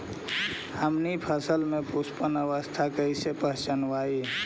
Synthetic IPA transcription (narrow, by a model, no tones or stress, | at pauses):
həmnipʰəsəlmẽpuspənəʋəst̪ʰakəɪsepəɦt͡ʃənwai